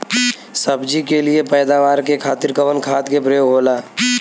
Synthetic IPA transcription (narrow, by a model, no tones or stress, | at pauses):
səbd͡ʒikeliepɛːd̪aːʋaːɾkekʰaːt̪ɪɾkəʋənkʰaːt̪kepɾəjoːɡɦoːlaː